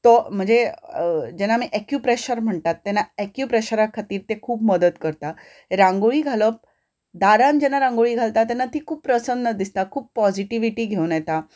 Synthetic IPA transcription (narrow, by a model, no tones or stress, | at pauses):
t̪ɔm̤əɳd͡ze | d͡ʑɛnamiʔɛkjupɾeɕəɾm̤əɳt̪at̪ːɛnaɛkjupɾeɕəɾakʰat̪iːɾt̪ekʰuːbməd̪ət̪kəɾt̪a | eɾãŋɡoɭiːɡʱaləp̚ | d̪aɾand͡ʑɛnaɾãŋɡoɭiːɡʱalt̪at̪ɛnːat̪iːkʰuːppɾəsənd̪əd̪ist̪akʰuːppɔd͡ʑiʈiʋiʈiːɡʱewnjet̪a